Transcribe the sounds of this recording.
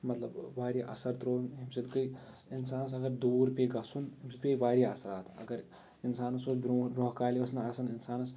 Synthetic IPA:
mɐt̪lɐbʋaːɾiʔɐ̰sɐɾt̪ɾoːnɦimsid̪kɨj | ɪnsaːnɐs̬ɐɡɐɾd̪uːɾpeɡɐsunɦimsid̪peʋaːɾiɐsɾaːt̪ɐ̰ɡɐɾ | ɪnsaːnɐsobɾoɾoːɦkaːliʋɐsnɐsɐnɪnsaːnɐs

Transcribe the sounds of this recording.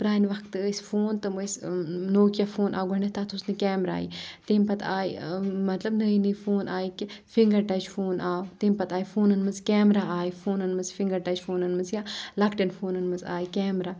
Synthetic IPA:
pɾaːnʋɐkʰt̪ɨəsʲfoːnt̪ɨmɨsnoːkjafoːnʔa̰ːɡɐɳɖɐt̪at̪ʰusnikɛːmɾa̰ːḭt̪emʲpɐt̪ʰaːimɐt̪lɐbnəːinifoːnaːikifiŋɡɐɾʈɐt͡ʃfoːnaːwt̪empɐt̪aːifoːnɐnmɨzkɛːmɾaaːifoːnɐnmɨzfiŋɡɐɾʈɐt͡ʃfoːnɐnmɐzjaːlakʈɐnfoːnɐnmɐza̰ːikɛːmɾaː

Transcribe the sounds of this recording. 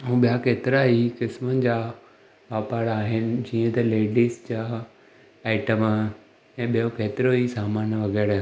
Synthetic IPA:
ɦũːɓijakeːt̪ɪɾaikɪsmənɪ̆d͡ʑaː | ʋaːpaːɾaːɦɪnɪ̆d͡ʑiːə̃t̪ɐleːɖiːsd͡ʑaː | aːɪʈəm | ɛ̃ːɓijokeːt̪ɪɾoisaːmaːnʋɐɣɛːɾ

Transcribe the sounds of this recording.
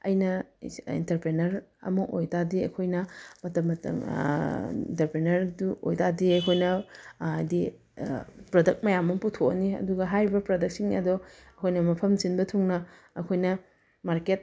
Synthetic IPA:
ɐ̰jnɐḭntɐɾpɾenɐɾɐ̰mɐʔojtadiɐ̰kʰojnɐmɐtɐmːɐtɐ̰m | ḭntɐɾpɾenɐɾduo̰jtadiɐjkʰojnɐajdi | pɾodɐk̚t̚mɐjamːɐmputʰoɐniɐ̰duɡɐɦajɾibɐpɾodɐk̚siŋɐ̰dɔɐkʰojnɐmɐpʰɐmsinbɐtʰuŋnɐ | ɐkʰojnɐ | maɾket̚

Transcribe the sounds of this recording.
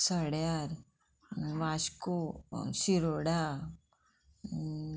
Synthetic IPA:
səɽjaɾ | ʋaʃkusiɾoɽa

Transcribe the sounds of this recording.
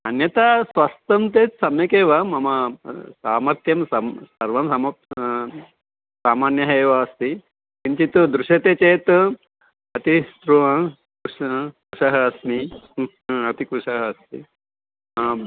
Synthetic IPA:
ɐnjɐt̪asʋɐst̪ɐmt̪et͡ssɐmekeʋamɐmasaːmɐɾt̪jɐmsasɐɾʋɐmsamɐ | saːmanjɐɦejʋaːst̪i | t̪iɲt͡ɕit̪d̪ɾuʂɐt̪et͡set̪ | ɐt̪ist̪ɾuʋɐ̃ | kuʂkuʂɐɦɐɐsmi | ɐt̪ikuʂaɦɐɐst̪ḭ

